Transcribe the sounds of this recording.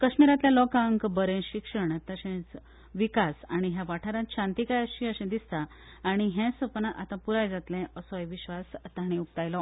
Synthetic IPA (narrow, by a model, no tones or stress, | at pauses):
kəɕmiɾat̪ljalɔkãŋkbəɾẽɕikʂəɳt̪əɕẽt͡s | ʋikasaɽ̃iɦjaʋaʈʰaɾãt̪ɕãnt̪ikajəɕĩəɕɛ̃d̪ist̪aː | ɽ̃iɦɛ̃səpnaʔat̪ãpuɾajd͡zat̪lɛ̃ʔəsɔjʋiɕʋast̪aɽ̃ẽuk̚t̪ajlɔ